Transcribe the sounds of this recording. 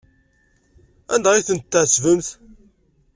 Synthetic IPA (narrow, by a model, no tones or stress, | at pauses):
ænd̪æʁiθənt̪ːʕəsvəmθ